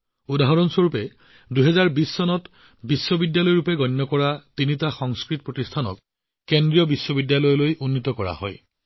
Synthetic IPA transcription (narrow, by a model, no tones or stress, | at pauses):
udaɦɔɹɔnsɔɹupɛ | duɦɛzaɹbisːɔnɔt | bisːɔbidjalɔjɔɹupɛɡɔnːɔkɔɹatinitaxɔŋskɹitɔpɹotistʰanɔ̰kː | endɹijɔbisːɔbidjalɔjɔlojʔunːitɔkɔɹa̰hɔ̰j